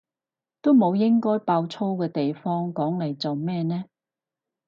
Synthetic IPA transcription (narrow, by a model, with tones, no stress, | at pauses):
t̪o˥wmo˨˧wjɪ˥ŋkɔː˥jpaː˧wt͡sʰo˥wkɛː˧t̪e˨jfɔː˥ŋkɔː˨˥ŋlɐ˨˩jt͡so˨wmɛː˥nɛː˥